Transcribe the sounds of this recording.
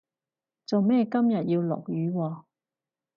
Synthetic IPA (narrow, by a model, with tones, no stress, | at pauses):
t͡so˨wmɛː˥˧kɐ˥mjɐ˨t̚jiː˧wlɔ̰ː˨˩k̚jyː˨˦wɔː˧